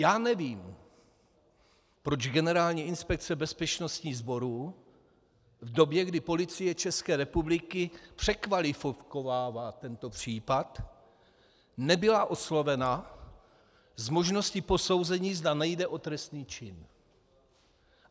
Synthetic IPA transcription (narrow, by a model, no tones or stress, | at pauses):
jaːnɛviːm | pɾo̞d͡ʒɡɛnɛɾaːlɲiːɪnspɛk̚t͡sɛbɛspɛt͡ʃno̞st̪ɲiːzbo̞ɾuː | vdo̞bjɛɡdɪpo̞lɪt͡sɪjɛt͡ʃɛskɛːɾɛpublɪkɪpr̝̥ɛkvalɪfkovaːvaːt̪ɛnt̪o̞pr̝̥iːpat̪ | nɛbɪlaʔo̞slo̞vɛna | zmo̞ʒno̞scɪposo̞wzɛɲiːzdanɛjdɛʔo̞t̪ɾɛst̪niːt͡ʃɪn